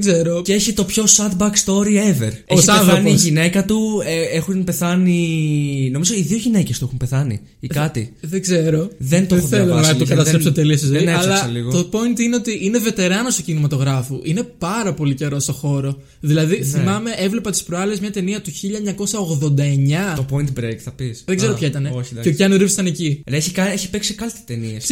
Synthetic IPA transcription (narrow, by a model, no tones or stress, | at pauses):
ɡzeɾoceeçit̪o̞pço̞sɐt̪bɐkst̪o̞ɾieve̞̰ɾeçisɐɐθoɐniʝine̞kɐt̪ueexunpe̞θɐni | nomizoiðio̞ʝine̞cest̪uexumpe̞θɐnḭ | ikɐt̪ḭðeɡze̞ɾoðent̪ooelonɐokɐt̪ɐsɾesot̪eliɐsizeinɐslɐsɐliɣot̪opo̞int̪ineo̞t̪iʔineve̞t̪e̞ɾɐnost̪ocinimɐt̪o̞ɣɾɐfuʔine̞pɐɾɐpo̞lice̞ɾo̞st̪o̞xo̞ɾo̞ | ðilɐðiθimɐme̞ʔevle̞pɐt̪i̥spɾoɐlizmɲɐt̪e̞niɐt̪uçiʎɐeɲɐko̞sɐoɣðo̞nd̪ɐe̞ɲɐt̪opoint̪bɾekθɐpisðeɡzeɾopçɐit̪ɐne̞oçiɐeciɐnoɾivst̪ɐnecieçikɐeçipeksikɐlt̪i̥t̪enies